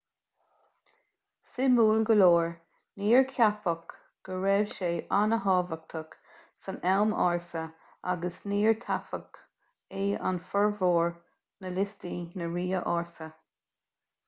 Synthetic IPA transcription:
sɪmuːlɡəloːɹ | niːɹkʰjapək | ɡ̥əɹɛːvʃeːʔanəɦɑːvək̚t̪ʰək | sənɛlmɑ̰ːɹsə | a̰ɡəsniːɹt̪ʰapək | eːa̰nfəɹvoːɹ | nəlɪst̪inəɹiːəʔɑːɹsə

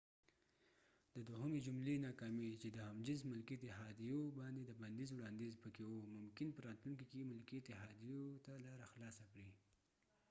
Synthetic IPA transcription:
d̪əd̪oɦəmed͡ʒumlenɑkɑmit͡ʃed̪əhamd͡ʒɪzmʊlkiet̪ɪɦɑd̪ijobɑnd̪ed̪əband̪ezwɽɑnd̪ezpəkewomʊmkɪnpəɾɑt̪luŋkikemʊlkiet̪ɪɦɑd̪ijot̪alɑɾaxlɑsakɽi

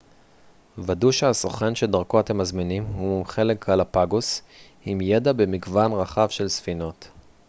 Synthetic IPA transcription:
vaduʃeasoχenʃedaʁko̞ate̞mazminimhumχe̞lekalapaɡos | imjedabe̞miɡvanʁaχavʃe̞lsfino̞t

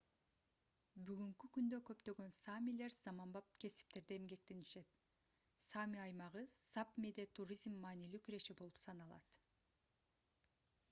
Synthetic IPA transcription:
byɡyŋkykynd̪økø̞pt̪ø̞ɡø̞nsamʲile̞ɾz̥ɑmɑmbɑp̚kʲʰe̞si̥p̚t̪e̞ɾd̪eːmɡe̞k̚t̪e̞niʃe̞t̪̚ | samʲiɑjmɑʁɯsapmed̪e̞t̪ʰuɾizmːɑːnilyːkyɾe̞ʃebo̞lˠupsɑnɑlˠɑ̰t̪

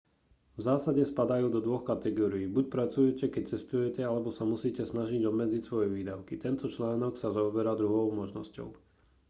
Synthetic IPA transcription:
vzaːsaɟɛspad̪ajuːd̪ɔd̪ʋɔxkat̪ɛɡɔːɾiiːbuc̚pɾat͡sujɛcɛkɛc̚t͡sɛst̪ujɛcɛalɛbɔsamusiːcɛsnaʒiɟɔbmɛd͡zicsʋɔjɛʋiːd̪aʊkit̪ɛnt̪ɔt͡ʃlaːnɔksazaɔbɛɾad̪ɾuɦɔʊmɔʒnɔ̰scɔ̰ʊ

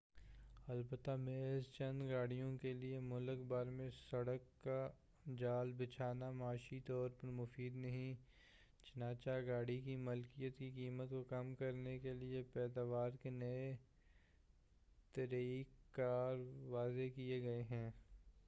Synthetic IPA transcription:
ɐlbət̪ːameːzt͡ʃɐ̃nd̪ɡaːɽijõkeliemʊləkbaːɾmẽsɐɽəkːa | d͡ʒaːlbɪt͡ʃʰaːnamaːʃit̪ɔːɾpɐɾmʊfiːd̪nɐɦĩ | t͡ʃɐnaːt͡ʃaɡaːɽikimʊlkijət̪kikiːmət̪kokɐmkɐɾnekeliepɛːd̪aːʋaːɾkenɐe | t̪ɐɾiikkːaːɾʋaːzekieɡɐeɦɛ̃ː

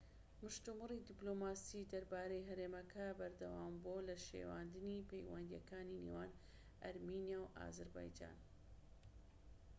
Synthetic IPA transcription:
mɨʃt̪umɨrid̪iblomaːsid̪ɐɾbaːɾejɦɐɾeːmɐkʰɐbɐɾd̪ɐwaːmbolɐʃḛwaːnd̪ɨnipejwɐ̰nd̪ijɐ̰kaːninḛwaːn | ʔɐ̰ɾminjawʔa̰ːzɐɾba̰ːjd͡ʒa̰ːn

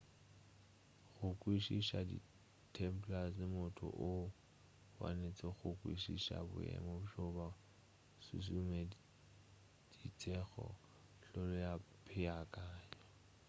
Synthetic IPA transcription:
χʊkʼwiʃiʃadḭ | tʰɛmpʰlaslɪmʊtʰʊ̰ʔʊ | wa̰net͡sʼɛχʊkʼwḭʃiʃa̰bʊ̰ɛ̰mɔbʃɔba | sṵsume | d̥it͡sʼɛχɔ̰ | ɬɔlɔjapʰɪakʼaːɲɔ

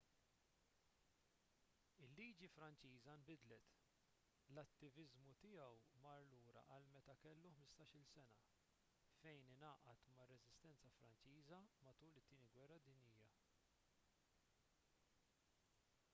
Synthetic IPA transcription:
ɪlːiːd͡ʒifɾɐnt͡ʃiːzɐmbɪd̪lɛt̪ | lɐt̪ːɪvɪzmut̪ɪjɐwmɐɾluːɾɐ̰ʔɐlmɛt̪ɐkɛlːuħmɪst̪ɐːʃɪlsɛnɐ | fɛjnɪnɐːʔɐt̪mɐrːɛzɪst̪ɛnt͡sɐfɾɐnt͡ʃiːzɐmɐt̪uːlɪt̪ːiːniɡwɛrːɐd̪ɪnjijɐ

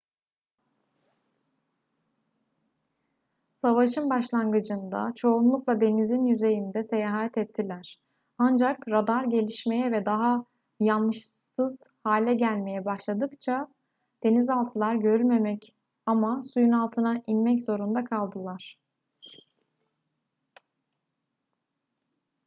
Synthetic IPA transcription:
savaʃɯnbaʃlˠanɡɯd͡ʒɯnd̪a̰t͡ʃʰo̞unlˠuklˠad̪e̞nizinjyze̞jind̪ɛse̞jaːɦɦat̪ʰɛt̪ʰːilʲæɾ̥ | and͡ʒakɾad̪aɾɟe̞lʲiʃme̞jɛvɛd̪aɦa | janːɯʃsɯz̥haːlʲɛɟælʲme̞jɛbaʃlˠad̪ɯkt͡ʃʰa | d̪̥e̞nizalˠt̪ʰɯlˠaɾɟø̞ɾylʲme̞mɛc | amasujunalˠt̪ʰɯnaʔinmɛc̬zo̞ɾund̪akʰalˠd̪ɯlˠaɾ̥

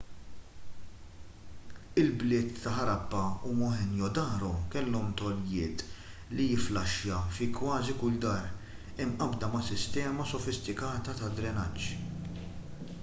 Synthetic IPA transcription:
ɪlblɪːt̪ːɐħɐɾɐbːɐumɔħɛnjɔd̪ɐːɾɔkɛlːɔmt̪ɔljɪːt̪lijɪflɐʃjɐfikwɐːzikʊld̪ɐːɾ | ɪmʔɐbd̪ɐmɐsɪst̪ɛːmɐsɔfɪst̪ɪkɐːt̪ɐt̪ɐd̪ɾɛnɐt͡ʃː

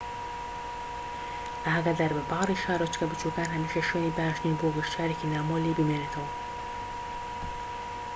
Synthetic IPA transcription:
ʔaɦaɡad̪ɐɾbɐbɑːɾiːʃaːɾot͡ʃkɐbɨt͡ʃukaːnhɐmiːʃɐʃwoːniːbaaʃniːboɡɨʃt͡ʃʰaːɾeːkinaːmoːlibɨmenet̪ʰɐwɐ

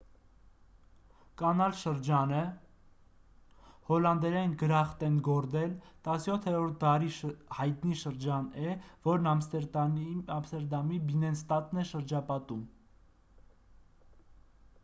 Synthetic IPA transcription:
kɑnɑlʃəɾd͡ʒɑnə | hɔlɑnd̪ɛɾɛnɡəɾɑχt̪ɛnɡɔɾd̪ɛlt̪ɑsjɔt̪ʰhɛɾɔɾt̪̚ʰd̪ɑɾiʃhɑjt̪niʃəɾd͡ʒɑnɛvɔɾnɑmst̪ɛ | ɑmst̪ɛɾd̪ɑmibinɛnst̪ɑt̪nɛʃəɾd͡ʒɑpɑt̪um

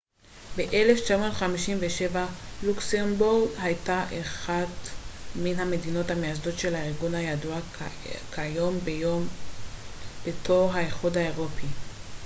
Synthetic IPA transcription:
beʔele̞ft͡ʃamo̞tχamiʃimveʃe̞valuksenbuʁdhajtaʔeχadminɦame̞dino̞thamejazdo̞tʃe̞lhaeʁɡunhajadua | kʰajo̞m | b̥etʰo̞ʁɦaeχudhaeʁo̞pi

